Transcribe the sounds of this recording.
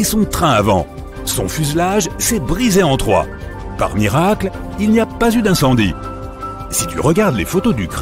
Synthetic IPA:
esɔ̃t̪χɛ̃avɑ̰̃ | sɔ̰̃fyzlaʒsɛbʁizeɑ̃t̪χwa̰ | pa̰ʁmiʁakl | ilniapazyd̪ɛ̃sɑ̃d̪i | sit̪y̰ʁəɡaʁd̪lefot̪od̪yk

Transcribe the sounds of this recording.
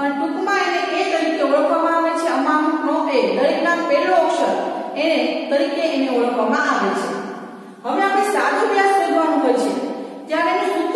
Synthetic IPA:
pəɳʈukʰmãeneʔet̪əɾikeoɭəkʰʋamãaʋet͡ʃʰeəmãɦuknoʔed̪əɾiknapeloːkʃənenet̪əɾikeːneoɭəkʰʋamãʔaʋet͡ʃʰḛ | ɦəʋeapnẽsat͡ʃobjaskəd͡ʒʋanũɦət͡ʃʰet̪jaɾeeẽsuk̪

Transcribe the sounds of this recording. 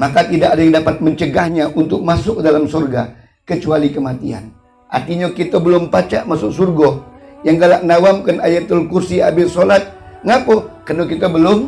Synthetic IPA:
makat̪idaʔkadajaŋdapat̪̚məɲt͡ʃəɡahɲaʔunt̪ʊk̚masʊk̚dalamsɔrɡa̰ | kət͡ʃualikəmat̪ia̰n | ʔa̰rt̪iɲakit̪abəlʊmpat͡ʃa̰ʔmasʊksurɡɔjaŋɡalaʔnawamkanajat̪ulkursia̰bɪtsolat̪̚ | ŋapokərnokit̪abəlʊm

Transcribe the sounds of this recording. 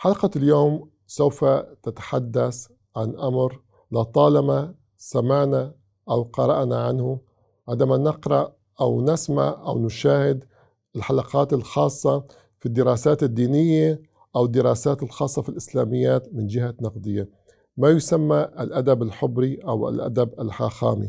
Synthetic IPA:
ħalqɑljoːm | sawfat̪ɪt̪ḁħad̪ːas | ʕanʔamɾ | lɑt̪ˤɑːlɑma | samaʕna | ʔawqɑɾˤɑʔnaʕanhʊ | ʕɪd̪amanɪqɾˤɑʔ | ʔawnɪsma̰ʕʔa̰wnʊʃaːhɪd̪ | ɪlħalɑqɑːt̪ɪlxɑːsˤːɑ | fid̪ːɪɾɑːsaːt̪ɪd̪ːiːnɪjːe | ʔawɪd̪ːɪɾɑːsaːt̪ɪlxɑːsˤːɑfilʔɪslaːmɪjːaːt̪mɪnd͡ʒɪhanɑqd̪ˤɨjːa | majʊsamːaʔlʔad̪abɪlħʊbɾiʔawa̰lʔa̰d̪abalħaːxaːmḭ

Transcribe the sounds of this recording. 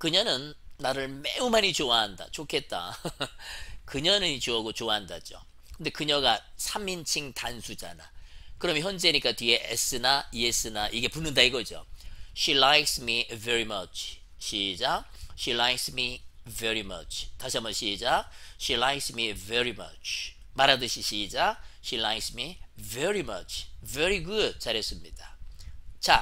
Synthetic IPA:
kɯɲʌnɯnːaɾɯɭmeumaɲit͡ɕoaɦanda̰t͡ɕʰokʰe̞t̚t͈a̰ | kɯɲʌnɯit͡ɕoaɡot͡ɕoaɦandad͡ʑo̰ | kɯnde̞kɯɲʌɡasʰamint͡ɕʰiŋtansʰud͡ʑa̰nakɯɾʌmjnçjʌnd͡ʑe̞ɲik͈atɥie̞ʔes͈ɯnaies͈ɯnaʔiɡe̞punɯndaiɡʌd͡ʑo̰ɕilajksmiveɾimʌt͡ɕʰ | ɕid͡ʑaɕilajksmiveɾimʌ̰t͡ɕʰtaɕʰiambʌnɕiːd͡ʑaɕilajksmiveɾimʌ̰t͡ɕʰ | maɾadɯɕʰiɕid͡ʑaɕilajksmiveɾimʌt͡ɕʰveɾiɡud̚saɾjʌs͈ɯmɲid̥a | t͡ɕa

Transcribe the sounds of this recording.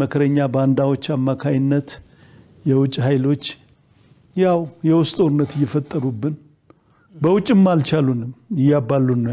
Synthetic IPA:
əkʰəɾəɲːaband̪awo̞t͡ʃːamːakʰajɪnːət̪ | jɛwʊt͡ʃʼːɦajlo̞t͡ʃː | jawjɛwʊst̪ʼoɾɨnːət̪ɨjːɛfət̪ʼːəɾubːɨn | bəwʊt͡ʃʼːɨmːalt͡ʃʰalunɨmjɪjabːalːunːə

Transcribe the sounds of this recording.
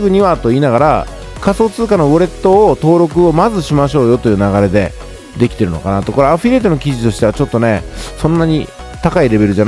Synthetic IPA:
ɡɯ̟ɲ̟iβat̪o̞iːnaɣaɾa̰ | kaso̞ːt͡sɨːkano̞bo̞ɾe̞t̪ːo̞ːt̪o̞ːɾo̞kɯ̟o̞mazɨɕimaɕo̞ːjo̞t̪o̞jɯ̟ːnaɣaɾe̞d̪e̞̰ | d̪e̞kʲi̥t̪e̞ɾɯ̟no̞̰kanat̪ːo̞ko̞ɾeaɸiɾe̞ːt̪o̞no̞kʲiʑit̪o̞ɕi̥t̪e̞at͡ɕo̞t̪ːo̞ne̞sõ̞nːaɲ̟i | t̪akaiɾe̞βe̞ɾɯ̟ʑan

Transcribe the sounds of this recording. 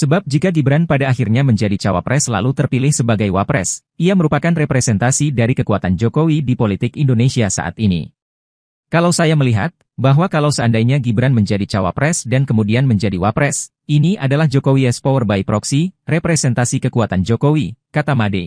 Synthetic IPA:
səbap̚d͡ʒikaɡibɾanpadaːxirɲaməɲd͡ʒadit͡ʃawa̰pɾʔɛsla̰lut̪ərpilɪhsəbaɡajwapɾɛ̰s | ʔiaməɾupakanrɛpɾɛsɛnt̪asidaɾikəkuat̪and͡ʒokowidipolit̪ɪkindonesiasa̰ʔa̰t̪inḭ | kalawsajaməliɦa̰t̪̚ | baɦwakalawsəəndajɲaɡibɾanməɲd͡ʒadit͡ʃawa̰pɾɛsdankəmudianməɲd͡ʒadiwapɾɛs | ʔiniʔadalahd͡ʒokowiɛspowərbaipɾɔksirepɾɛsɛnt̪asikəkuat̪and͡ʒokowikat̪amade

